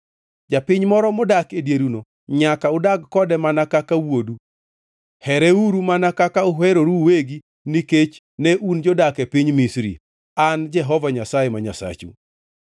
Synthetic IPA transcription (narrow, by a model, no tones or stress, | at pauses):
d͡ʒapɪɲmɔɾɔmʊdakedjeɾuno | ɲakaʊdaɡkɔdɛmanakakawodu | hɛɾɛuɾumanakakaʊɦɛɾoɾuweɡi | niket͡ʃ | nɛʔund͡ʒɔdakepiɲmisɾḭ | and͡ʒɛɦɔvaɲasajemaɲasa̰t͡ʃṵ